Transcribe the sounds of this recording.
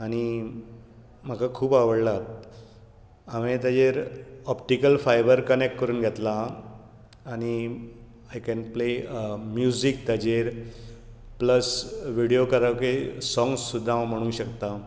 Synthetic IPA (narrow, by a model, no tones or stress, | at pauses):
aɽ̃i | m̤akakʰuːpaʋəɽlat̪ | aʋẽt̪jad͡ʑeɾɔp̚ʈikəlfajbəɾkənek̚ʈkəɾuːnɡʱet̪laː | ñi | ajkɛnpleəmjuzik̚t̪jad͡ʑeɾ | pləsʋiɽijokəɾaʋkesɔ̃ŋɡsːud̪ʱːãʋm̤əɽ̃ũɕəkt̪a